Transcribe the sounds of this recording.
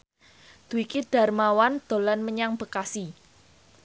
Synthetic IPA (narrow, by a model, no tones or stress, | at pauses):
d̪̥uikid̪̥a̤rmawand̪̥o̤lanməɲaŋb̥ə̤kasi